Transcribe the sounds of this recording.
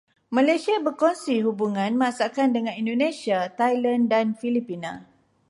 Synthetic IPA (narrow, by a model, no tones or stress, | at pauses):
mãlajsiabərkɔnsiɦubuŋãnməasakandəŋãnindonẽsiat̪ajlandanfilipinã̰